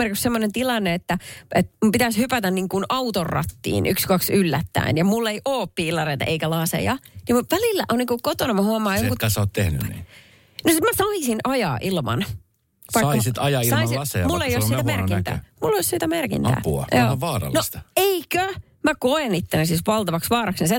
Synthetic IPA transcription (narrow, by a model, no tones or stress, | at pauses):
erkiksemːonent̪ilɑnːeet̪ːæet̪mumpit̪æshypæt̪ænniːŋkunɑut̪orːɑ̰t̪ːḭːnykskɑksylːæt̪ːæ̰injɑmulːeiʔoːppiːlːˑɑreit̪ɑ̰ʔeikælɑsḛjɑnimutʋælilːæ̰ʔonniŋkukot̪onɑmɑhuɑmɑːjoŋkuæsoːt̪t̪ehny̰nḭː | nosit̪mæsɑisinɑjɑ̰ːʔilmɑ̰n | sʋɑiɑːɑsit̪ɑjɑisɑmisiɑsejmulːeijossit̪æmerkint̪æ̰ːmulːossiːt̪æmerkḭnæ̰ːpuɑ̰joːɑʋɑːɾɑ̰lnost̪eikø | mækoenit̪ːenæsisʋɑlt̪ɑʋɑksʋɑːɾɑksnise